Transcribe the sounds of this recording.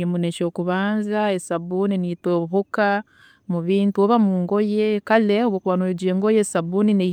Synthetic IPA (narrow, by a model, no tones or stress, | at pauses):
emuneʃokuβaːnzaesabuninitoɦoka | muβiːntuoβamuːŋɡojekaleoβokuβanoed͡ʒeŋɡojesabunine